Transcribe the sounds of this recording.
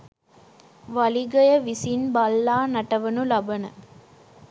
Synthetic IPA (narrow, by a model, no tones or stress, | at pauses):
ʋɐliɡɐjəʋisinbɐlːaːnɐʈɐʋənulɐbɐnə